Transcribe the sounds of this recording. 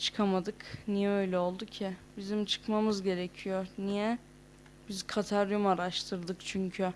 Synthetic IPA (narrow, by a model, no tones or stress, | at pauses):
t͡ʃʰɯ̥kʰamad̪ɯknijɛø̞jlʲɛo̞lˠd̪ucʰɪbizimt͡ʃʰɯ̥kmamɯzɟe̞ɾecʰijoɾnijɛ | bizkʰat̪ʰaɾjumaɾaʃt̪ʰɯɾd̪ɯkt͡ʃʰyɲcʰy